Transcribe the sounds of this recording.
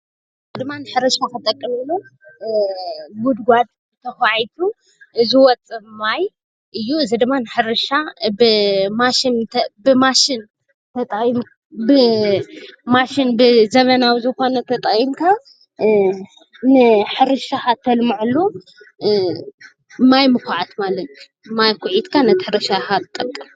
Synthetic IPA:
ɨzɨd̪ɨmːanɨħɨɾɐʃakɐt̪ʼɐkʼːɨmɐlːo | wud̪ɡʷad̪̚ | t̪ʰɐxaʕjt̪ʰu | ʔɨziwɔt͡sʼɨmaj | ʔɨjːuɨzid̪ɨmːanɨħɨɾɨʃaɨmaʃinbɨmaʃɪn | t̪ʰɐt̪ʼm | bɨ | maʃinbɨzɐβɐnawzɨxo̞nɐt̪ʰɐt̪ʼɐimkʰa | nɨħɨɾɨʃaxat̪ʰːɐlmɨʕɨlːo | majmɨkʰaʕat̪malɐt̪u | majkʰʊʕit̪kʰanɐt̪ʰiħɨɾɨʃaxat̪t̪ʼːɐkʼːɐm

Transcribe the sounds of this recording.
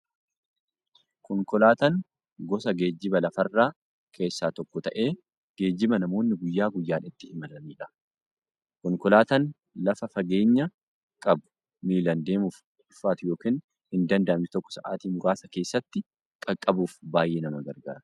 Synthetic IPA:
kɔŋkɔlaːt̪ɐŋ | ɡɔsɐɡe̞ːd͡ʒːɪbɐlɐfɐrːaː | kʰe̞ːsːaːt̪ɔkːɔt̪ɐʔe̞ː | ɡ̥e̞ːd͡ʒːɪmɐnɐmo̞ːnːɪɡʊjːaːɡʊjːaːnɪt̪ːɪhɪmɐlɐmiːᶑɐ̥ | kɔŋkɔlaːt̪ɐn | lɐfɐfɐɡe̞ːɲːɐ | kʼɐbʊ̥ | miːlɐnd̪e̞ːmuːf | ʊfːaːt̪ʊjo̞ːkiːn | hɪnd̪ɐnd̪ɐʔɐmɪt̪ɔkːɔ̥sɐʔaːt̪iːmʊɾaːsɐke̞ːsːɐt̪ːɪ | kʼɐkʼːɐbuːfbaːjːeːnɐmɐɡɐɾɡa̰ːɾɐ

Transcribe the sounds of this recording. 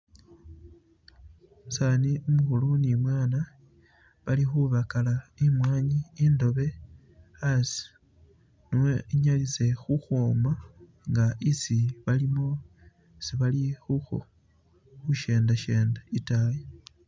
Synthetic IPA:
saniumuxulunimwaːna | βalixuβakalaimwaːɲiːndo̞βe̞ | asi̥ | nuweiɲalise̞xuxoːma | ŋɡaisiβalimo̞ | siβalixuxo̰ | xuʃe̞ːndaʃe̞ːndaitaːle

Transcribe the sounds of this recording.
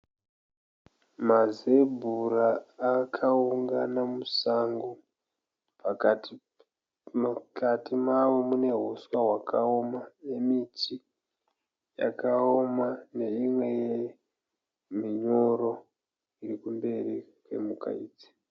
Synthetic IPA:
maze̞bʱuraːkʰauŋɡanamusaŋɡo | p | mkatimaʋo̞mune̞ɦoswaɦwakaomane̞miti | ja̰kaomane̞imwe̞je | miɲo̞ɾo̞ | iɾikumbe̞rikwe̞̰muka̰iːd͡ze̥

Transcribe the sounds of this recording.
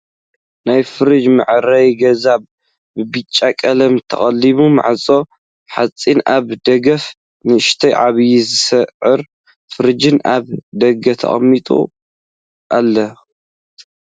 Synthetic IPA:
najfɨɾɨd͡ʒmɨ̰ʕɾɐjɡɐzaβ | bɨbɨt͡ʃʼːakʼɐlɐmt̪ʰɐ̰χʼɐlːiβuma̰ʕt͡sʼo̞ | ħat͡sʼinaβd̪ɐɡɐf | nɨɨʃt̪ʰɐjʕaβjizɨsɐʕɨɾ | fɨɾɨd͡ʒɨnaβd̪ɐɡɐt̪ʰɐ̰χʼɐ̰mːit̪ʼṵ | ʔalːɐ

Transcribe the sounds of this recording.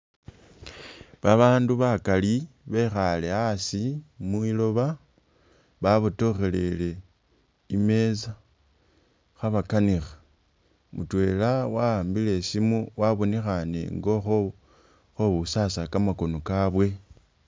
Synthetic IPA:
βaβaːnduβakaliβe̞xale̞asimuilo̞βa | βaβuto̞xe̞le̞le̞ | ime̞za | xaβakanixḁ | mutwe̞lawaːmbile̞simuwaβo̞nexane̞̰ŋɡo̞xo | xoβusasakamako̞nokaβwe̞

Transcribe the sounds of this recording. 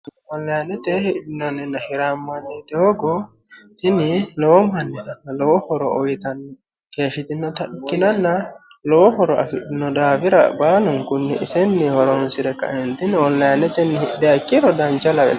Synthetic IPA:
ɔnːajnɛt̪ɛhiʔdinɔnɛnahiɾamːanːɛdɔːɡɔ | t̪inilɔwmanːinanːalɔwɔhɔɾɔ̰ʔojit̪anːɛ | kefit̪inɔt̪aʔikːinanːa | lɔwɔhɔɾɔa̰fiʔdinɔdaːviɾa̰banuŋkunːḭʔisɛnːihɔɾɔnsiɾɛka̰ʔɛnt̪inɛɔlːajnɛt̪ɛnihiʔdakːiɾɔdaɲt͡ʃalawɛ̰

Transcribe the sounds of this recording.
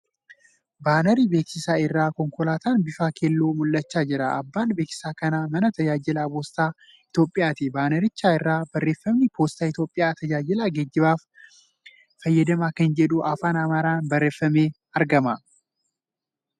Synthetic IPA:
baːnɐɾiːbe̞ːksɪsaːɪrːaːkɔŋkɔlaːt̪aːnbɪfaːkʰelːoːmʊlːɐt͡ʃːaːd͡ʒɪɾɐʔɐbːaːnbeːksɪ̥saːkɐnaːmɐnɐt̪ɐd͡ʒaːd͡ʒɪlaːboːst̪aː | ɪt̪jo̞ːpʼːɪjaːt̪ɪbaːnɐɾɪt͡ʃːaːɪrːaːb̥ɐrːe̞ːfːɐmnɪbo̞ːst̪aːɪt̪jo̞ːpʼːɪjaːt̪ɐd͡ʒaːd͡ʒɪlaːɡɛd͡ʒːɪbaːf | ɐjːɐd̪ɐmaːkɐnd͡ʒɛᶑʊʔɐfaːnɐmɐɾaːnbɐrːe̞ːfːɐmeː | ɐɾɡɐmɐ

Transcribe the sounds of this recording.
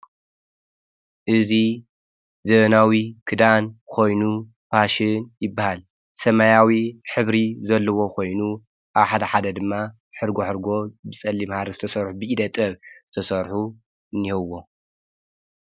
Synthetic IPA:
ʔɨzi | zɐβɐnawikʰɨd̪ankʰo̞jnu | pʰaʃɪnjɪbːahal | sɐmajawiħɨβɾizɐlːɐwo̞kʰo̞jnu | ʔaβħad̪ɐħad̪ɐd̪ɨmːa | ħɨɾɡoħɨɾɡo̞bɨsʼɐlːimhaɾɐzɨt̪ʰɐsɐɾħubɨʔid̪ɐt̪ʼɐβzɨt̪ʰɐsɐɾħu | ɨnːihɐwːo̞

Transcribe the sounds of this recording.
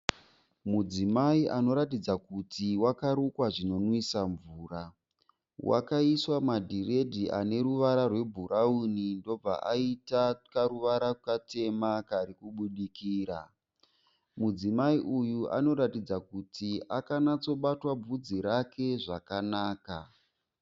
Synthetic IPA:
mud͡zimaiʔano̞ɾatid͡zakutʰiwakaɾukwaʐino̞nwisaɱvuːra | wa̰kaiswamadʱire̞dʱiʔa̰ne̞ɾuʋaɾarwe̞bʱuɾaunindo̞b͡va̰ʔaitakaɾuʋaɾaukate̞makaɾikuɓuɗikiːɾa | mud͡zimaiʔujua̰no̞ɾatid͡zakutiʔakanat͡so̞ɓatwab͡vud͡ziɾakʰe̞ʐakanaːka

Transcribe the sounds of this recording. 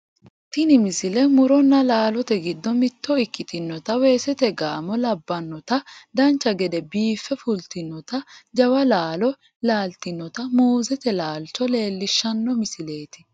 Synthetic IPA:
t̪ɪnɪmɪsɪlɛmʊɾɔnːɐlaːlɔt̪ɛɡɪd̪ːɔmɪt̪ːɔɪkːɪt̪ʰɪnːɔt̪ɐweːsɛt̪ɛɡaːmɔlɐbːɐnːɔt̪ɐd̪ɐnt͡ʃːɐɡɛd̪ɛbiːfːɛfʊlt̪ɪnːɔt̪ɐd͡ʒɐwɐlaːlɔ | laːlt̪ɪnːɔt̪ɐmuːzɛt̪ɛlaːlt͡ʃɔle̞ːlːɪʃːɐnːɔmɪsɪle̞ːt̪ɪ̥

